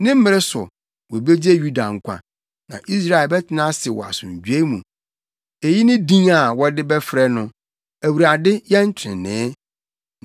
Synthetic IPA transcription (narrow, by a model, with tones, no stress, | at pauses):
nɪ̃˦m̩˦mɪ̃˦ɾɪ˦sʊ̰˨ | wɔ˨be˦d͡ʑi˦e˦ju˦da˨ŋ̩˨kʷʰã̰˨ | nã̰˨ʔi˦s̬ɾa˦˨ɛ˨lbɛ˦tʰɪ˨nã˦sɪ˨wɔ̰˨a̰˨sʊ̰̃˨ɲ˨d͡ʑᶣɥe˦mũ˨ | e˨ji˦nɪ̃˦dĩ˦ŋa˨wɔ˦dɪ˦bɛ˦fɾɛ˦nʊ̃˨ | æ˨wu˨ɾa˨dɪ˦jɛ˦n̩˦t͡ɕʰɪ̰̃˨nːɛ̃ː˨˦